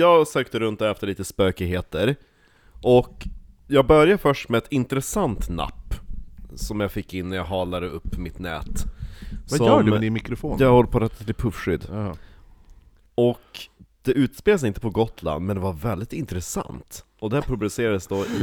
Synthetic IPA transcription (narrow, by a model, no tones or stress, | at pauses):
jɑːɡsøːkt̪əɾɵnt̪̚æɾɛft̪əɭiːt̪əspøːkɪɦeːt̪əɾ | ʔɔk | jɑːɡ̚bœɾjafœʂʈmɛɛt̪ɪnt̪ɾɛsant̪na̰pːsɔmjɑfɪkːɪnːæjaɡɦɑːlad̪əɵpːmɪt̪nɛ̰ːt̪ | saɔːmɪmɪkɾʊfoːnjahɔlːəpʰɔɾɛt̪ʰːat̪ʰɪlpʰɵfʂʏd̪ː | ɔkd̪̥ɛʔʉ̟ːt̪speːls̬ɪnt̪əpɔɡɔt̪la̰nd̪mɛnd̪ɛvaɾvɛld̪ɪt̪ɪnt̪ɾɛsa̰nt̪ | ɔd̪ɛæɾpʰɾʊbd̪ʉseːɾad̪əsd̪ɔʔɪ